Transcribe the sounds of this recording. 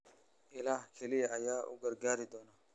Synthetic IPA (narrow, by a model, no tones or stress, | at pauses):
ɪlaːhkʰɛliɐjaːʔʊ̰ɡɐɾɡaːɾɪd̪ɔːna